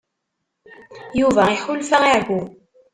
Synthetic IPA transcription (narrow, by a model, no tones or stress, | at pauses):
juvæiħʊlfaaʕɡʷu